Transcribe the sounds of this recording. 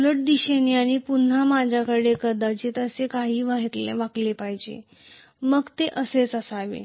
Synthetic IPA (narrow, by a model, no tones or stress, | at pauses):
ləʈ̚d̪iɕeniaɽ̃ipun̤ːamad͡ʑʱakəɽekəɾd̪ad͡ʑet̪əsekaɦiːʋaɦit̪lḛʋaklepaɦd͡ʑḛ | məɡt̪eʔəset͡səsaʋḛ